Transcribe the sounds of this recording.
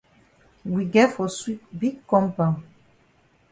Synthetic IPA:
wi˨ɡɛ˦fɔ˨swi˦tbiɡkɔ̃˦mpã˨

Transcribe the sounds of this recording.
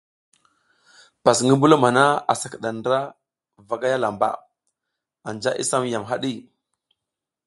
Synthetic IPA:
pa˨sŋɡi˦mbu˦lo˦ma˨na˦a˨sḁ˨kə˨ɗa˨ndɾa˦ | va˨ɡa˦ja˦la˨mba̰˨ | a˨nd͡ʒa˦ʔḭ˦sa˦mja˨mɦa˦ɗi˦˨

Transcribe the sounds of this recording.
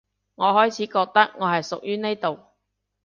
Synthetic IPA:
ŋɔː˨˧ɦɔː˥jt͡sʰiː˨˥kɔː˧k̚t̪ɐ˥k̚ŋɔː˨˧hɐ˨jsʊ˨k̚jyː˥ne˥jt̪o˨w

